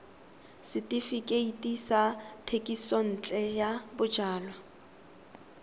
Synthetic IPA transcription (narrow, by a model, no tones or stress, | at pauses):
sɪtʼifikʼeitʼisatʰekʼison̩ːt͡ɬʼɛjabʊd͡ʒaːlwa